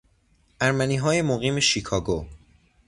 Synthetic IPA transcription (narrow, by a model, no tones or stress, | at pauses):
ʔæɾmæniːɦɒːje̞moɣiːme̞ʃikʰɒːɡo